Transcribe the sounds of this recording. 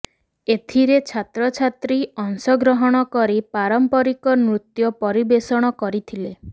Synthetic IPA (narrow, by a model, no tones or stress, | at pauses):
et̪ʰiɾet͡ʃʰat̪ɾɔt͡ʃʰat̪ɾiɔŋsɔɡɾɔɦɔɽ̃ɔkɔɾipaɾɔmpɔɾikɔnɾut̪jɔpɔɾibesɔɽ̃ɔkɔɾit̪ʰile